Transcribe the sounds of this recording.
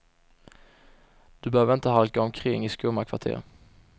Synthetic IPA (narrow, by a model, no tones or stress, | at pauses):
d̪̥ɵbɛhøːvəɾɪnt̪əɦalkaɔmkʰɾɪŋːɪskɵmakʰv̥a̰ʈʰḛːɾ